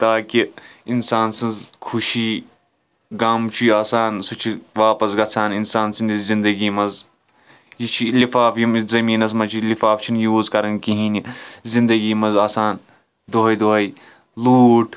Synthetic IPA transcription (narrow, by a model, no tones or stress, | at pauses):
t̪aːkiinsaːnsɐnzkʰuʃiː | ɡaːmt͡ʃʰujaːsaːnsut͡ʃʰiʋaːpɐsɡɐt͡sʰaːninsaːnsɨnizind̪ɐɡiːmɐz | jit͡ʃʰilifaːfjimzɐmiːnɐs̬mɐt͡ʃʰilifaːft͡ʃʰinjuːzkɐɾɐnkiɦĩːnizĩnd̪ɐɡiːmɐzaːsaːn | d̪oɦɐjd̪oɦɐj | luːʈʰ